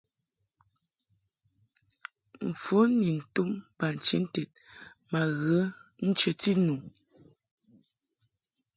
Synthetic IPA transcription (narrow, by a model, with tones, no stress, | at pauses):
m̩˨fo˨˦ni˨n̩˨tu˦mpa˨n̩˨t͡ʃḭ˦n̩˦tɛ˨t̚ma˨ɣə˨˦n̩˦t͡ʃə˨ti˦nu˨